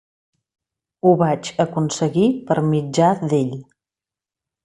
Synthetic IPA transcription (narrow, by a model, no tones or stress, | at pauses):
uβat͡ʃəkunsəɣipəɾmid͡ʒaðeʎ